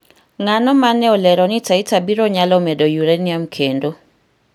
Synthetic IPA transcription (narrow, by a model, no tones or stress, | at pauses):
ŋanɔmanɛɔlɛɾɔnitaitabiɾoɲalɔmɛdojuɾeniamkʰendo